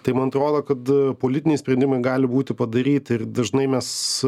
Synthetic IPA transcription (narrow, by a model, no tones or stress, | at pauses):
t̪ɐɪmɐnɐt̪ɾoːd̪oːkɐt̪poːlʲɪt̪ʲɪnʲɛɪsʲpʲɾʲɛnʲd̪ʲɪmɐɪɡɑːlʲɪbuːt̪ʲɪpɐd̪ɐɾʲiːt̪ʲɪrd̪ɐʒnɐɪmʲɛs